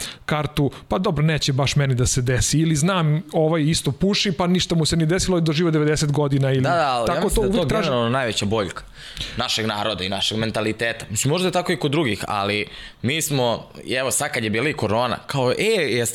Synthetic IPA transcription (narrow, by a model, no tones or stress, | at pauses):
kaɾt̪upad̪o̞bɾone̞ːt͡ɕebaʃmenid̪ase̞d̪esiːliznaːmoʋajist̪opuʃipaniʃt̪amusenid̪esiloiid̪oʒiːʋod̪eʋed̪eset̪ɡo̞d̪inaild̪iad̪aalaakot̪ouʋeok̪ɾaːʒnonajʋet͡ɕabo̞ʎkḁ | naʃeɡnaːɾod̪ainaʃeɡme̞nt̪alit̪eːt̪ḁmisimːo̞ʒd̪ajt̪akoikod̪ːɾuɡixa̰li | miːsmo̰ɛʋosad̪̚kad̪jebiːliikoɾo̞ːna̰kaoʔejɛs